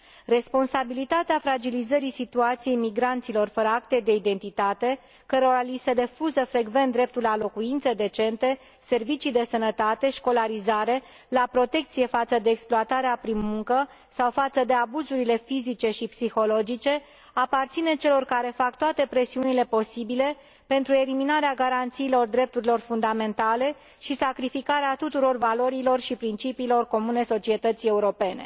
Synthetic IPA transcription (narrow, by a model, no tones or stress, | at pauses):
re̞spo̞nsabilit̪at̪eafɾad͡ʒilizəɾisit̪uat̪sije̞jmiɡɾant̪silo̞rfəɾəak̚t̪e̞d̪e̞id̪e̞nt̪it̪at̪e̞ | kəɾo̞ɾalisede̞fuzəfɾe̞ɡve̞nt̪d̪ɾe̞p̚t̪ulalo̞kuint̪sed̪et͡ʃe̞nt̪e̞ | se̞rvit͡ʃijd̪e̞sənət̪at̪e̞ʃko̞laɾizaɾe̞ | lapɾo̞t̪e̞k̚t̪sije̞fat̪səd̪e̞ːksploat̪aɾeapɾinmuŋkə | sawfat̪səd̪e̞abuzuɾile̞fizit͡ʃe̞ʃipsixo̞lo̞d͡ʒit͡ʃe̞ | apart̪sine̞t͡ʃe̞lo̞rkaɾe̞fak̚t̪oat̪e̞pɾe̞siunile̞po̞sibile̞ | pent̪ɾue̞liminaɾeaɡaɾant̪siːlo̞rd̪ɾe̞p̚t̪uɾilo̞rfund̪ame̞nt̪ale̞ | ʃisakɾifikaɾeat̪ut̪uɾo̞rvalo̞ɾilo̞rʃipɾint͡ʃipiːlo̞rko̞mune̞so̞t͡ʃie̞t̪ət̪sie̞uɾo̞pe̞ne̞̰